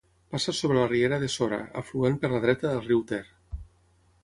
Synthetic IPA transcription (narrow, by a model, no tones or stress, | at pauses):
pasasoβɾelarieɾaðesoɾa̰ə̰fluenpəɾlaðɾɛt̪aðəlˠriwt̪eɾ